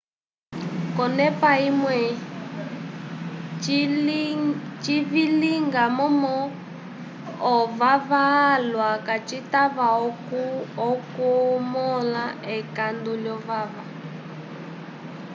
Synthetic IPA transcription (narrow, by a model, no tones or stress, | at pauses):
kɔnɛpaimwɛ | t͡ʃiviliŋɡamɔmɔ | vavalwakat͡ʃitaβaɔkuɔkumɔlaɛkanduljɔvava